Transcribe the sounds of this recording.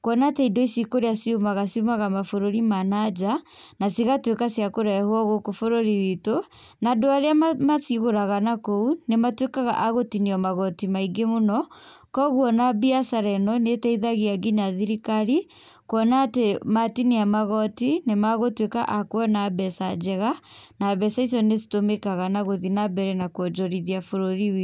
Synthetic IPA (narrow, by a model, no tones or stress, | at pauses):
kwɔnaːteidɔisikoɾeasiumaɣasiumaɣamafoɾoɾimanad͡ʒa | nasiɣatwekasjakoɾɛhwɔɣokofoɾoɾiwito | nadoaɾeamasiɣoɾaɣanakounematwekaɣa̰ʔaɣotiniɔmaɣɔtimaiɡemonɔkɔɣwɔnabiasaɾɛnɔnetɛiðaɣiaɡinaðiɾikaɾi | koɔnaːtematiniamaɣɔtinemaɣotweka̰ʔakwɛnabɛsad͡ʒɛɣanaβɛsais̬ɔnesi̥tomekaɣanaɣoðinabɛɾɛnakɔd͡ʒɔɾiðiafoɾoɾiwi